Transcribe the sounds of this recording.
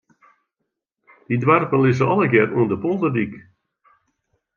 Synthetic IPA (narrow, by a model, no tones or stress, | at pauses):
d̥idwarpəlɪsəɔlˠəɡɪruəndəpolˠdədik